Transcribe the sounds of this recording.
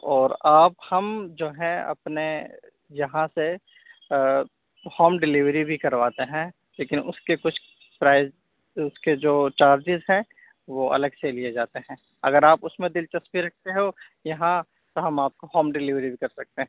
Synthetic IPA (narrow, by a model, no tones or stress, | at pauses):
ɔːɾaːphɐmd͡ʒoːɦɛ̃ɐ̰pne | jɐɦãse | hɔːmɖɪliʋɾibʱikɐɾʋaːt̪eɦɛ̃ː | leːkɪnʊskekʊt͡ʃʰ | pɾaːɪz | ʊsked͡ʒoːt͡ʃaːɾd͡ʒɪzɦɛ̃ | ʋoʔɐ̰ləɡselied͡ʒaːt̪eɦɛ̃ː | ɐ̰ɡəɾaːpʊsmẽd̪ɪlt͡ʃɐspiɾɐk̚ʰt̪eɦo | jɐɦã | t̪oɦɐmaːp̚koɦɔːmɖɪliʋɾibʱikɐɾsɐk̚t̪eɦɛ̃ː